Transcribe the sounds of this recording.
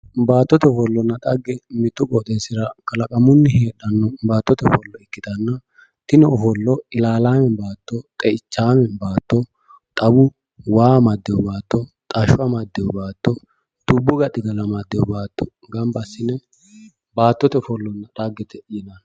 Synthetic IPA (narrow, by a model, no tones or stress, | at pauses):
baːt̪ːɔt̪ɛfɔlːɔnːɐᶑʼɐɡːɛmɪt̪ːʊkʼɔt̪ʼeːsɪɾɐkɐlɐkʼɐmʊnːɪheːɗɐnːɔbaːt̪ːɔt̪ɛfɔlːɔɪkːɪd̪ɐnːɐ | t̪ɪnɛɔfɔlːɔɪlaːlaːmɛbaːt̪ːɔt̪ʼɛɪt͡ʃːaːmɛbaːt̪ːɔ | t̪ʼɐbʊ | waːmɐd̪ːɛjɔbaːt̪ːɔt̪ʼɐʃʊɐmɐd̪ːɛjɔbaːt̪ːɔ | d̪̥ʊbːʊɡɐɗɪɡ̪ɐlɐmɐd̪ːɛjɔbaːt̪ːɔ̥ | ɡɐmbɐsːɪnɛ | baːt̪ːɔt̪ɛfɔlːɔnːɐᶑ̪ɐɡːɛt̪ɛʔjɪnɐn